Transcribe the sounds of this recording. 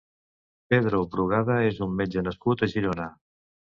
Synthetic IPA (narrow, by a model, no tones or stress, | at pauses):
peðɾoβɾuɣ̞aðaezumːed͡ʒənəskut̪əʒiɾona